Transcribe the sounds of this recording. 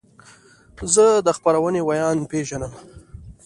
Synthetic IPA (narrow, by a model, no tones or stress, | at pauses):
zəd̪əxpaɾawənewajɑnpeʒanəm